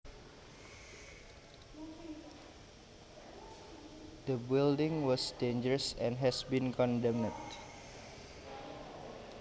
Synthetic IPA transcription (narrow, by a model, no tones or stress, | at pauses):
d̪̥əbildɪ̃ŋwɔsdend͡ʒəɹəsɛ̃nɦɛsbĩnkɔ̃ndɛ̃mnət̚